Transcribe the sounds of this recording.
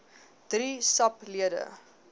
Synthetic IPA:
d̥risɐpliədə̰

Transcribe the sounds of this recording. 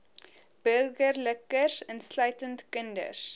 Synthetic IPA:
b̥ərɡərləkərsɛnslœɥtəntkəndə̰s

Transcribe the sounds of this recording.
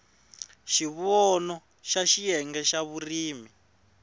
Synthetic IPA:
ʃiβɔnɔ | ʃaʃijɛŋɡɛʃaβuriːmi

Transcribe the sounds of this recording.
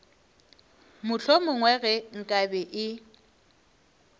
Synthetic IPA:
mʊɬʰomʊŋwɛɣɛŋ̩kʼabɛʔɪ

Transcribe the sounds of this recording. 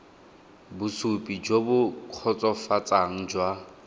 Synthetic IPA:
bʊsupʼid͡ʒobʊkʰɔt͡sʼɔfat͡sʼaŋ̩d͡ʒwa

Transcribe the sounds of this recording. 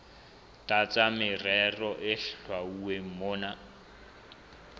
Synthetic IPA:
tʼat͡sʼamɪrɛrɔʔɪɬɬʰwauwem̩moːna

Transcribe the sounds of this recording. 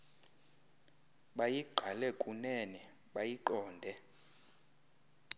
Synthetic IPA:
ɓajiɡ͡ǃʱalɛkʼunɛnɛ | ɓajiǃɔːndʱɛ

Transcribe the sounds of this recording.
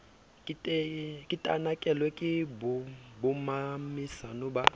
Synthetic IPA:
kʼɪtʼkʼɪtʼa̰nakʼɛlwɛkʼɪbʊbʊmamisanʊba

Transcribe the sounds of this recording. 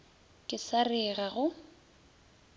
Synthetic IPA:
kʼɪsarɪɣaɣʊ

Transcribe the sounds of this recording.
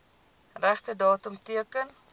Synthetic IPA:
ræχtədɑːtəmtiəkən

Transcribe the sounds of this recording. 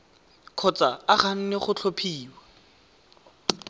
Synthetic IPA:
kʰɔt͡saaχan̩nɪχʊt͡ɬʰopʰiːwa

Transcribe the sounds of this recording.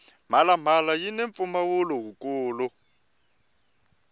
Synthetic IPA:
m̤alam̤alajineɱfumawʊlɔɦukʼuːlʊ

